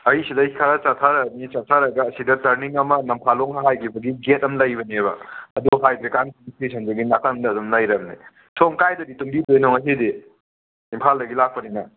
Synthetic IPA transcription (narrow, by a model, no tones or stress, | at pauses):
ɐisidɐikʰɐɾat͡ʃatʰaɾɐnit͡ʃatʰaɾɐɡɐːsidɐtɐɾniŋɐmɐnɐmpʰaloŋhɦajkʰibɐɡiɡet̚ɐmlɐjbɐnebɐ̰ɐduɦajbɾekankmisesʰɐnzɐɡinakʰɐndɐːdumlajɾɐmnḭ | sʰomkajdɐdituŋbidojnoŋɐs̬idiː | mpʰaldɐɡilak̚pɐninɐ